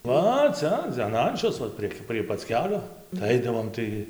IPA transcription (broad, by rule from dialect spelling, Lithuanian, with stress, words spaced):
ˈʋɐ ˈt͡sɐ ɐn ˈɐnʲt͡ʃʲoːs ʋɐ ˈpʲrʲiɛkʲ pʲrʲiɛ pɐt͡s ˈkʲæːlʲoː tɐɪ ˈɐɪdɐʋoːm ˈtɐɪ